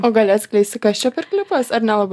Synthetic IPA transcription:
oːɡɐlʲɐt̪ʲsʲkʲlʲɛɪsʲt̪ʲɪkɐst͡ʃʲɛpɪrkʲlʲɪpɐsɐɾnʲɛlˠɐbɐ

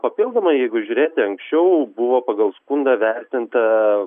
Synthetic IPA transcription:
pɐpʲilˠd̪omɐɪjɛɪɡʊʒʲʊɾʲeːt̪ɪɐŋksʲt͡ʃʲɛʊbʊʋoːpɐɡɐlˠskʊnd̪ɐːʋʲɛɾʲt̪ʲɪnt̪ɐ

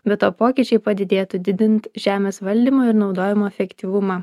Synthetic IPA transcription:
bʲɛt̪oːpoːkʲiːt͡ʃʲɛɪpɐd̪ʲɪd̪ʲeːt̪ud̪ʲɪd̪ʲɪnʲt̪ʒʲæːmʲeːsʋɐlʲd̪ʲiːmoːɪɾnɒʊd̪oːjʲɪmoːɛfʲɛkt̪ʲiːʋʊmɑː

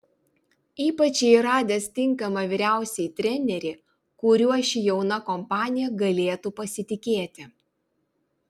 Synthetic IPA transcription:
iːpɐt͡ʃʲiɾɑːd̪ʲest̪ʲɪŋkɐmɐʋʲiːɾʲæˑʊsʲɛɪt̪ʲɾʲɛnʲɛɾʲɪ | kʊɾʲuɔʃʲijɛʊnɐkɔmpɑːnʲɪjɛɡɐlʲeːt̪upɐsʲɪt̪ʲɪkʲeːt̪ʲɪ

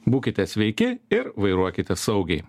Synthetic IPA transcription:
buːkʲɪt̪ʲɛsʲʋʲɛɪkʲɪɪɾʋɐɪɾuɔkʲɪt̪ʲɛsɐʊɡʲɛɪ

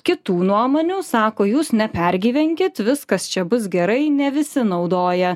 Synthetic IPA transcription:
kʲɪt̪uːnuɔmoːnʲuːsɑːkoːjuːsnʲɛpʲɛɾʲɡʲiːʋʲɛŋʲkʲɪt̪ʋʲɪskɐst͡ʃʲɛbʊs̬ɡʲɛɾɐɪnʲɛʋʲɪsʲɪnɒʊd̪oːjɛ

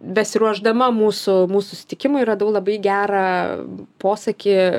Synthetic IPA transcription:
bʲɛsʲɪɾuɔʒd̪ɐmɐmuːsʊmuːsʊsʊsʲɪ̥t̪ʲɪkʲɪmʊɪɾɐd̪ɐʊlˠɐbɐɪɡʲæːɾɐ | poːsɐkʲɪ

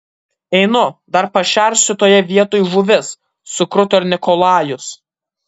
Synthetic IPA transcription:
ɛɪnʊd̪ɐɾpɐʃʲæˑɾʲsʲt̪ʲɪt̪oːjɛʋʲiɛt̪oːjʋʊʋʲɪsː | ʊkɾʊt̪ʲɔɾʲnʲɪkɔlˠɑːjʊs

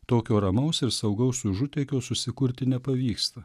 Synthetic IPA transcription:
t̪oːkʲoːɾɐmɐʊsɪɾsɐʊɡɐʊsʊʒʊt̪ʲɛːkʲoːsʊsʲɪkʊɾʲt̪ʲɪnʲɛpɐʋʲiːkst̪ɐ

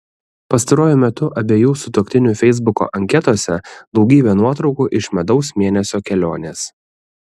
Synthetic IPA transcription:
pɐst̪ɐɾoːjʊmʲɛt̪ʊʔɐbʲeːjuːsʊt̪oːkʲt̪ʲɪnʲʊfʲɛɪzbʊko̰ʔɐŋʲkʲɛt̪oːsʲɛd̪ˠɒʊɡʲiːbʲeːnuɔt̪ɾɒʊkuːʔɪʃmʲɛd̪ɒʊsmʲeːnʲɛsʲoːkʲɛlʲoːnʲeːs

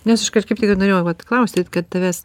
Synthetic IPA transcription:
nʲɛsɪʃkɐkɐɪptʲɪkɐɪnoːɾeːjoʋɐt̪klˠɐʊsʲt̪ʲɪt̪kɐt̪̚t̪ɐʋʲæs

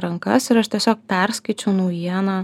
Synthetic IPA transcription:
ɾɐŋkɐ̰sɪɾɐʃt̪ʲiɛsʲoːk̚pʲɛɾskɐɪt͡ʃʲɛʊnɐʊjiɛnɑː

